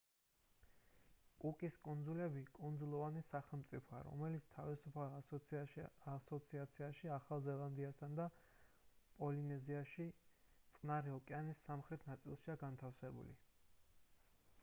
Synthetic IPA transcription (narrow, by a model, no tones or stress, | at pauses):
kʼukʼiskʼund̪zulɛbikʼund̪zulˠɔvanisaχɛlˠmt̪sʼipʰɔa̰ɾɔ̰mɛlit̪sʰt̪ʰavisupʰal | asɔt̪sʰiat̪sʰiaʃiaχalˠzɛlˠand̪iast̪ʰand̪a | pʼɔlinɛziaʃit̪sʼqʼnaɾiɔkʼɛanisːamχɾɛt̪ʰnat̪sʼilˠʃiaɡant̪ʰafsɛbṵlḭ